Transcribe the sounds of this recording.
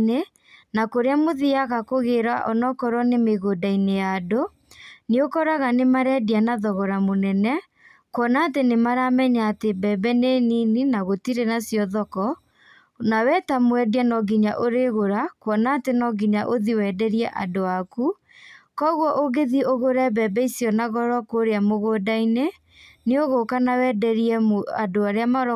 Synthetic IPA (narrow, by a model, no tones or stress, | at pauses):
ne | nakoɾeamoðiaɣakoɣeɾaʔɔnɔkɔɾwɔnemeɣodainejado | neokɔɾaɣanemaɾɛdianaðɔɣɔɾamonɛnɛ | kwɔnaːtenemaɾamɛɲaːtebɛbɛnenininaɣotiɾenasjɔðɔkɔ | nawɛtamwɛdianɔɡiɲaʔoɾeɣoɾakwɔnaːtenɔɡiɲaʔoðiwɛdɛɾiɛʔa̰doaku | kɔɣwɔʔoɣeðioɣoɾɛbɛbɛisjɔnaɣɔɾɔkoɾeamoɣoːdaine | neoɣokanawɛːdɛɾiɛmoadoaɾeamaɾɔ